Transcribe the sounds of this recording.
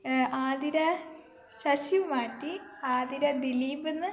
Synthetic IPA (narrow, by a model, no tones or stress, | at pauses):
aːðiɾɐ | ɕɐɕimaːʈːiaːðiɾɐd̪iliːbenːɨ